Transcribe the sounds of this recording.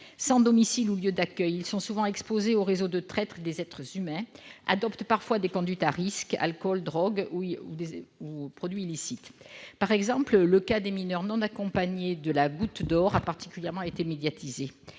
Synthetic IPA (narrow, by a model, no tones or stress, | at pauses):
sɑ̃d̪ɔmisiluljød̪akʲœjilsɔ̃suvɑ̃ɛkspozeoʁezod̪ət̪χɛt̪χed̪ezɛt̪χəzymɛ̃a̰d̪ɔpt̪paʁfwad̪ekɔ̃d̪ɥit̪aʁiska̰lkɔld̪ʁɔɡud̪eupχɔd̪ɥiːlisit̪paʁɛɡzɑ̃plləkad̪eminœʁnɔ̃nakɔ̃paɲed̪əlaɡut̪d̪ɔʁapaʁt̪i̥kʲyljɛʁmɑ̃et̪emed̪jat̪ʰize